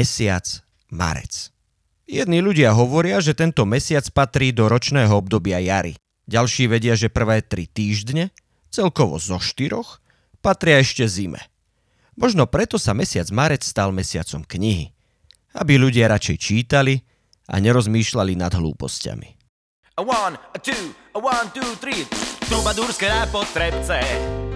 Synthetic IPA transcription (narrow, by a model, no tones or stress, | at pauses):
ɛsɪa̰t͡s | ma̰ɾɛ̰t͡s | jɛd̪niːluɟɪaɦɔʋɔɾɪaʒɛt̪ɛnt̪ɔmɛsɪat͡spat̪ɾiːd̪ɔɾɔt͡ʃnɛːɦɔɔb̚d̪ɔbɪajaɾḭ | ɟalʃiːʋɛɟɪaʒɛpr̩ʋɛːt̪ɾit̪iːʒd̪ɲɛ | t͡sɛlkɔʋɔ̰zɔʃt̪iɾɔx | pat̪ɾɪaɛʃcɛzimɛ̰ | mɔʒnɔpɾɛt̪ɔsamɛsɪad͡zmaɾɛt͡sst̪almɛsɪat͡sɔmkɲiɦḭ | a̰biʎuɟɪaɾat͡ʃɛjt͡ʃiːt̪ali | a̰ɲɛɾɔzmiːʃlalinad̪ɦlṵːpɔ̰sca̰mḭ | want̪uː | want̪uːt̪ɾit̪umad̪uɾskɛɾapɔt̪ɾɛpt͡sɛ